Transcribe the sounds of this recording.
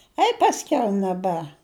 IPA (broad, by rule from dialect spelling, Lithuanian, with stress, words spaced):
ˈɐɪ pɐsʲˈkʲɛʊ nʲɛˈbʲɛ